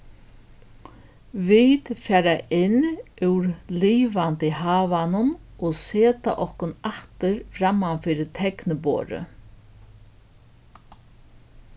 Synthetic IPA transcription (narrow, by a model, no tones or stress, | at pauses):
viːt̪faːɾaʔɪnʉɾliːʋant̪ɪɦaːvanʊnɔɣseːt̪a̰ʔɔhkʊnaht̪ɪɾfɾamːanfɪɾɪt̪ʰɛknɪbo̰ːɾɪ̰